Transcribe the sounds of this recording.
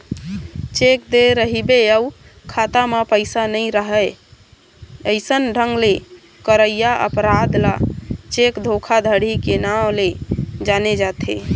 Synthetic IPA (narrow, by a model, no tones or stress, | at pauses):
t͡ʃekd̪eɾəɦibeəu | kʰat̪amepəɪsanəɪɾəɦəj | əjsənɖʱəŋɡle | kəɾəjjaʔə̰pɾad̪lat͡ʃekd̪ʱokʰad̪ʱəɽ̤ikenawled͡ʒaned͡ʒat̪ʰe